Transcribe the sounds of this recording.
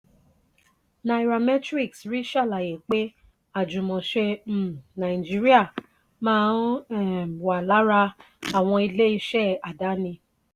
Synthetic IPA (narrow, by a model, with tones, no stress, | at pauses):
nã˧i˧ɾa˧mɛ˦tɾi˦˨ksɾi˦ʃa˦˨la˨je˨k͡pe˦ | a˦˨d͡ʒũ˨mɔ̃˨ʃe˧m̩˨nã˨ĩ˨d͡ʒi˦ɾi˦a˦˨ | mãː˦ɛ˦˨wa˨la˨˦ɾa˧ | a˨w̃ɔ̃˧i˧le˦i˧ʃɛ˦˨a˨da˨˦nĩ˧